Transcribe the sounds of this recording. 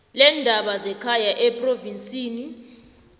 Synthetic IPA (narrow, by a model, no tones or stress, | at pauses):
lɛndʱaɓazɛkʰajaʔɛpʼrovinsʼiːni